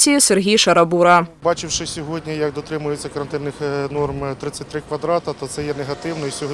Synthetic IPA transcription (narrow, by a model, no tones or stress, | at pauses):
sʲijisʲɛrɣʲijʂɐɾɐbuɾɐbɑt͡ʃɪwʂɪsʲɔɦodʲnʲijɐk̚d̪ɔt̪ɾɪmʊjet͡sʲːɐkɐɾɐnt̪ɪnːɪxnɔrmt̪ɾɪt̪sʲːɐtʲt̪ɾɪkʋɐd̪ɾɑt̪ɐt̪ɔt̪sɛjɛnɛɦɐt̪ɪwnɔisʲɔɦ